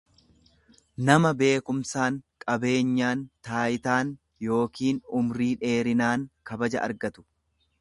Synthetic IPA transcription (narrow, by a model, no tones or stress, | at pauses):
nɐmɐbe̞ːkʊmsaːŋkʼɐbe̞ːɲːaːnt̪aːjɪt̪aːn | jo̞ːkiːnʊmɾiːᶑe̞ːɾɪnaːŋkɐbɐd͡ʒɐ̰ʔɐ̰ɾɡɐt̪ʊ̥